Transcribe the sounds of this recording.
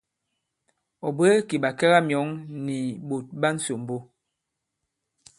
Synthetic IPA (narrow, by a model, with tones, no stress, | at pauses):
ɔ˨be˦ki˨ba˨kɛ˦ɣa˦mjɔ˨˦ŋni˨bo˨t̚ba˦n̩˦so˨m˨bo˦